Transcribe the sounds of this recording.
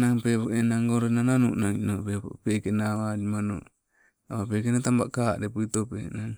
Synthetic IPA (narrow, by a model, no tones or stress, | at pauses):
naŋpepoenaŋɡoɾenananuʔnaŋinopeppekenawadimano̰ | aβapekenat̪amba̰ʔkadepuitopḛnaŋ